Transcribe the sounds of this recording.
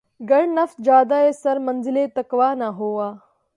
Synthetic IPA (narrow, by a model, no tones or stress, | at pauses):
ɡɐɽnɐft̪d͡ʒjaːd̪aesɐɾmɐnzɪlet̪ɐkʋaːnaɦoːaː